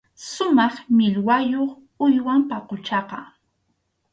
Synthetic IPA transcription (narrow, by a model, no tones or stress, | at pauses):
sʊmɑχmɪʎwajoχ | ʊjwampɑqot͡ʃɑqɑ